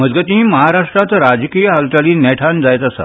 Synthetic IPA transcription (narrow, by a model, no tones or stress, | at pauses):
m̤əd͡zɡət̪ĩməɦaɾaʂʈɾat̪ɾad͡zkijəɦəlt̪aliːnɛʈʰand͡zajt̪asa̰